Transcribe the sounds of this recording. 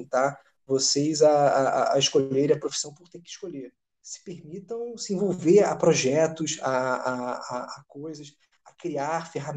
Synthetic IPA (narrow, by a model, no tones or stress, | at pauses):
t̪a | vosejzaaaːɪʃkoʎeɾ̃ɐpɾofi̥sɐ̃w̃pʊɾt̪ekɪʃkoʎe | sɪ̥peɾmit̪ɐ̃w̃sɪẽvowveɾa̰pɾoʒɛt̪ʊsaaaːkojzɐs | ɐkɾiaɾfeɦam